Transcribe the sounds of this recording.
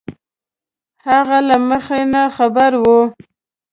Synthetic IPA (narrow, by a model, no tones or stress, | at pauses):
haɣalaməxenaxabaɾwu